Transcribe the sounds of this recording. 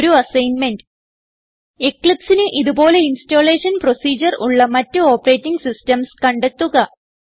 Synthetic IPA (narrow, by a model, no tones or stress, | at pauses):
ɾuɐsɐjnmend | ekɭipsinɨʔiðubo̞ːle̞insto̞ːle̞ːʂɐnpro̞siːd͡ʑɐruɭːɐmɐtːɨo̞ːpːɐre̞ːtːiŋɡsistɐmskɐɳɖet̪ːuɣɐ